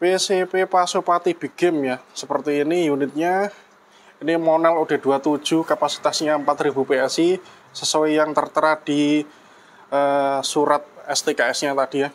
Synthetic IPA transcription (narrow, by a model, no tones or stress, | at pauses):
pesepepasopat̪ib̥i̤ɡ̥ɪmjasəpərt̪iːnijunɪt̪̚ɲa | inimɔnɛluɖ̥e̤d̥ṳat̪ud̥ʒ̥uhkapasi̥t̪asɲaəmpat̪ɾib̥upeɛsi | səsuwijaŋt̪ərt̪əɾad̥i | əsuɾat̪̚ɛst̪ekaɛsɲat̪ad̥i̤ja